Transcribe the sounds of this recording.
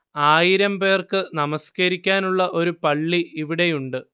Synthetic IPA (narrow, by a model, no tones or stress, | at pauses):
aːjiɾɐmpe̞ːrkɨnɐmɐskɐɾikʲːaːnuɭːɐʔo̞ɾupɐɭːiiʋiɽe̞juɳɖɨ